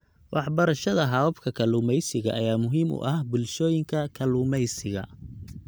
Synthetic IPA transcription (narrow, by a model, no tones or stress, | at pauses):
wʔɑħbɐɾɐʃɐðɐɦɑwɐbkʰɐkʰɐlʊːmɛjsɪɣɐ̰ʔɐjaːmʊɦiːmʔʊ̰ʔɐhbʊlʃɔːjɪŋkʰɐkʰɐlʊmɛjsɪɣɐ̰